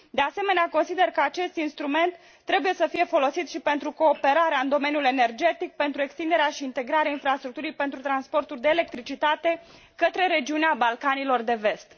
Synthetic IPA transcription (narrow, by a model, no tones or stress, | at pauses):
d̪e̞ase̞me̞neako̞nsid̪e̞rkəat͡ʃe̞st̪inst̪ɾume̞nt̪ːɾe̞buje̞səfije̞fo̞lo̞sit̪ʃipe̞nt̪ɾuko̞ːpe̞ɾaɾeaɨnd̪o̞me̞nijule̞ne̞rd͡ʒe̞t̪ik̚pe̞nt̪ɾue̞kst̪ind̪e̞ɾeaʃiːnt̪e̞ɡɾaɾeainfɾast̪ɾuk̚t̪uɾijpe̞nt̪ɾut̪ɾanspo̞rt̪urʲd̪eːle̞k̚t̪ɾit͡ʃit̪at̪e̞ | kət̪ɾe̞ɾe̞d͡ʒiuneabalkanilo̞rd̪e̞ve̞st̪